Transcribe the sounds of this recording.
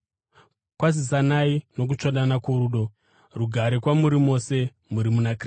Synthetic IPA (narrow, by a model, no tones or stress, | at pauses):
kwas̬is̬anaino̞k̬ut͡ʃoɗanakuɾuːɗo̞ | ruɡʱaɾekwamuɾimo̞se̞ | muɾimunakr